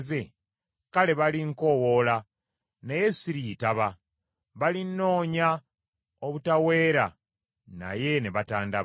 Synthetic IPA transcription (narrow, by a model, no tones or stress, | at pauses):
ze | kale̞βaliŋko̞wola | neje̞siɾiːtaβa | βalinːo̞ːɲa | oβutawe̞ːɾa | na̰je̞neβataːnda